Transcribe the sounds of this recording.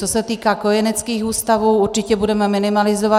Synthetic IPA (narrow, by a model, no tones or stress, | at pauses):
t͡sosɛt̪iːkaːko̞jɛnɛt͡skiːxuːst̪avuːuɾt͡ʃɪcɛbudɛmɛmɪnɪmalɪzova